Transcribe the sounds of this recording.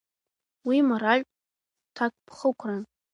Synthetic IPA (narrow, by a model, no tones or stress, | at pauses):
wimaɾaʒʲʼ | tʰakʷʼpʰχəkʷʰran